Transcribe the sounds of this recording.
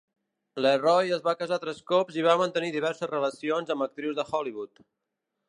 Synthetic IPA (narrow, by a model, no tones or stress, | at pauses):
lerɔjəzβakəzat̪ɾɛskɔpziβamənt̪əniðiβ̞ɛɾsəzrələsionzəmbək̚t̪ɾiwzðəxɔliβut̪